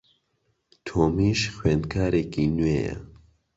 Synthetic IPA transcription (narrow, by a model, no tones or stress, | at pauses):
t̪ʰoːmiːʃxweːnd̪̚kʰaːɾeːkiːnweːjɛ̰